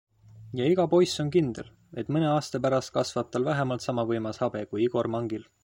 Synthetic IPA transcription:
jɑiɡ̥ɑpo̞jso̞nkind̪̥e̞̰l | e̞t̪mɤne̞ɑːst̪ɑpæɾɑst̪̚kɑsvɑt̪ːˑɑlvæɦemɑlt̪sɑmɑvɤjmɑshɑb̥e̞kujiɡ̥o̞rmɑŋɡil

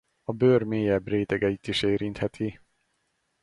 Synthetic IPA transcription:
ɔbøːɾmeːjæbɾeːt̪ɛɡɛit̪ːiʃeːɾint̪hɛt̪ʰi

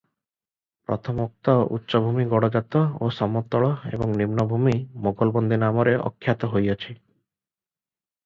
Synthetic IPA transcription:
pɾɔt̪ʰɔmɔk̚t̪ɔṵtːʃɔbʱumiɡɔɽɔd͡ʒat̪ɔosɔmɔt̪ɔɭɔḛbɔŋnimnɔbʱumimoɡɔlbɔnd̪ʱinamɔɾeʔɔ̰kʰːjat̪ɔɦojɔt͡ʃʰi

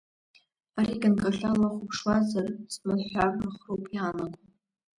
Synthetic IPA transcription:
aɾiɡɨnkʼaɬalaχʷʊpʰʂwazarsmalħʷaraχrowpʼjaːnaɡʷʼ

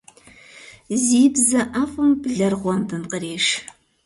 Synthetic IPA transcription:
ziːbzɐʔaːfʼɨmbɮɐrʁʷɔmbɨmqəɾeːʂ

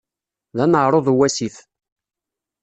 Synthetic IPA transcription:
ðænəʕɾˤoðˤwæsiθ

